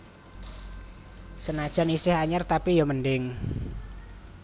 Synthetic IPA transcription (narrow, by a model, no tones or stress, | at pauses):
sənad̥ʒ̥a̤nisɪhaɲərt̪apijaməɳɖɪŋ